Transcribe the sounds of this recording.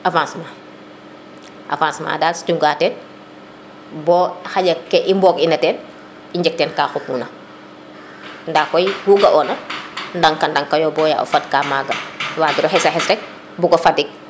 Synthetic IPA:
ʔavãːnsma | ʔa̰vãːnsma̰ːdaːstuŋɡaːtɛn | bɔːxaɟɐkːɛʔimbɔːkinɐtɛːn | iɲd͡ʒɛk̚tɛːnkaːxupmunɐ | ndakɔjhuɡɐʔɔːnɐndaŋkandaŋkajɔbɔːja̰ʔo̰fad̚kaːmaːɡɐwaːɡiɾɔɦɛsaɦɛsɾɛk̚ | buɡɔfadik̚

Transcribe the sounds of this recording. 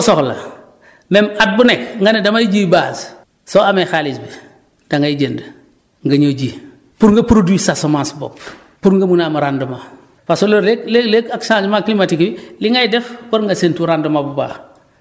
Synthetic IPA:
usoxlɐ̰ | memat̚bunekŋɡanedamajiɟiːbaːs | soamexalisbe | d̥aŋɡajiɟendə | ŋɡɐɲoːd͡ʒiː | puɾŋɡɐpɾoduwisasomansbo̰p | puɾŋɡɐmunaːmuɾandəma | fasoloɾleklelekaksãd͡ʒmaklimatikbiliŋɡajdɛfpuɾŋɡasentuɾandəmabuba̰ː

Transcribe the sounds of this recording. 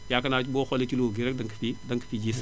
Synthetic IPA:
jakɐnaːt͡ʃboːxɔlet͡ʃuloɡiɾ̚dɐŋkɐ̥fidɐŋkɐ̥fid͡ʒis

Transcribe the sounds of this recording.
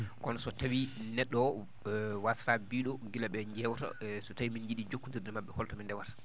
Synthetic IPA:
kɔnɔsɔtawinɛɗːɔ | wasɾabiːɗɔɡilaɓɛɲd͡ʒɛwta̰sɔtawimind͡ʒiɗid͡ʒokːuntiɾdɛɾmaɓːɛhɔltɔmindɛwaɾ

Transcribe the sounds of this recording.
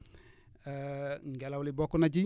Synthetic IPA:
ŋɡɛlawulibɔkunad͡ʒi

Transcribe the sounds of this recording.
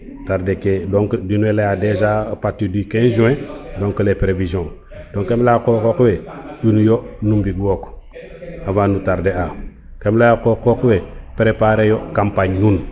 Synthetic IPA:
taɾdekedoŋkdinuwelejadezapatːidikenʒũẽdoŋkulepɾevizõŋ | d̥õŋkemlakokokweinjonumbiɡwoːk | avanutaɾdea | kemlaakokokwepɾepaɾejokampaɲnun

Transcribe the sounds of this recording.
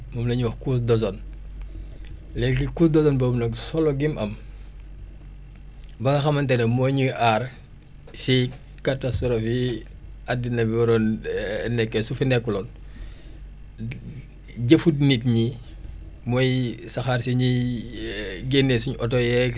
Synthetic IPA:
mɔmlɐɲuwɐxkus̬dɔs̬ɔn | lɛkikuːsdɔsɔnbobnɐksɔlɔɡimʔɐm | bɐŋɡɐxɐmɐntɛnɐmɔjɲiʔar | si | katastɔɾofi | adinɐbiɐɾɔːnnɛkːɛsufinɛkːulɔːn | ɟɐfudnitɲi | mɔjsɐxarsiɲi | ɡenːesuɲʔɔtɔjɛ

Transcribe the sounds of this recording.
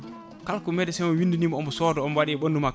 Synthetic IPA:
kalkumɛdɛsɛmɔwinduniːmɔɔmbɔsɔːdɔɔmwaɗiɓonduma

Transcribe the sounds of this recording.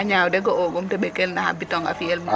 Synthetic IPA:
aɲawdɛɡɔɔɡɔmtɛbɛkelnaha̰bitɔŋa̰fielma

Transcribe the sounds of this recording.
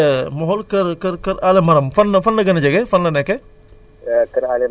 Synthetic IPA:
mɔɦɔlkɐɾkɐɾkɐɾalemɐɾɐmfɐnːɐfɐnlɐɡɐnɐd͡ʒɐɡefɐnlɐneke | kɐɾale

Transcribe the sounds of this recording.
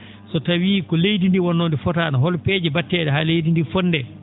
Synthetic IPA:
sɔtawiːkɔlejdindiwɔnːondifɔtanaɦɔlpeːd͡ʒɛbatːɛːɗɛɦalejdindifɔnːdɛ

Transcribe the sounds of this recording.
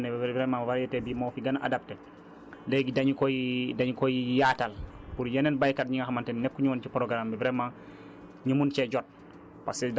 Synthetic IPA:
nɛbbɾɛmawaɾjɛtɛbimofiɡanaʔa̰dap̚tɛ | leɡidaɲikojidaɲikojijatalpuɾjɛnɛnbajkatɲiŋɡaxamantɛnnɛkːuɲuwɔnt͡ʃipɔɾɔɡɾambibɾɛma | ɲumunt͡ʃɛɟɔt̚ | pa̰sɛd

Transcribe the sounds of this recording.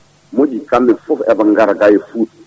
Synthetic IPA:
mod͡ʒikamːifufɛbaŋɡaɾɡajefut

